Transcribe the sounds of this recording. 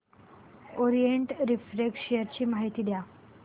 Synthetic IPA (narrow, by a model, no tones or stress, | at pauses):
oɾijeɳʈɾifɾekʂijəɾt͡ɕiːmaɦit̪iːd̪ja